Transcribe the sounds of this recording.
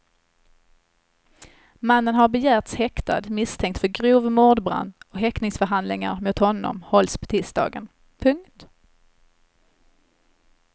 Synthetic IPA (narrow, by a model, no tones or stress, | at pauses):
manːənɦaɾbɛjæːɾt̪shɛkt̪a̰d̪mɪst̪ʰɛŋkt̪fœɾɡɾuːvmuːɖ̪bɾa̰nd̪ɔɦɛknɪŋsfœɾɦand̪lɪŋa̰ɾmʊt̪hɔnːɔ̰mhɔlspʰɔ̥t̪ʰɪst̪ɑ̰ːɡən | pʰɵŋkt̪